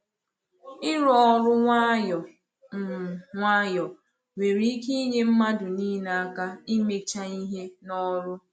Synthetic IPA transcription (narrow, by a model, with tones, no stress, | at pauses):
ɪ˦ɾɔ˦ɾʊ˦ŋʷa˦jɔ˨ | m̩˨ŋʷa˦jɔ˨ | we˨ɾi˨˦ki˦i˦ɲe˦m̩˦ma˦dʊ˨niː˦n˨a˦ka˦i˦me˦t͡ʃa˦i˦ɦe˦nɔ˦ɾʊ˦